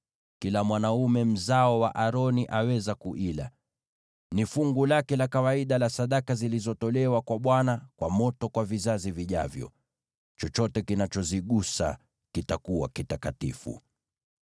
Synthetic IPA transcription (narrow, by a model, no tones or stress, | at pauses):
kilamwanaumɛm̩zaɔwa̰ʔaɾɔniʔawɛzakuʔila̰ | nifuŋɡulakɛlakawaiɗalasaɗakazilizɔtɔlɛwakwaɓwanakwamɔtɔkwavizaziviʄa̰vjɔ̰ | t͡ʃɔt͡ʃɔtɛkinat͡ʃɔziɠusa̰ | kitakuwa̰kitakatifṵ